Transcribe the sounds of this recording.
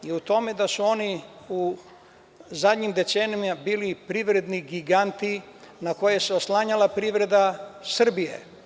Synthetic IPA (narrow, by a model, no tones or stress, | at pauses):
iut̪o̞me̞d̪asuo̞niu | zad̪ɲimd̪e̞senimabiːlipɾiʋɾe̞d̪niɡiɡant̪i | nakojeseoslˠaɲalapɾiʋɾe̞d̪asr̩bijḛ